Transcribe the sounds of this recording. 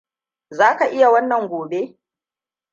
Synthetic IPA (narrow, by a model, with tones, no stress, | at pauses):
zaː˦ka˨ʔɪ˦ja˨wɐ˦nːɐ˨ŋɡʷoː˨be˦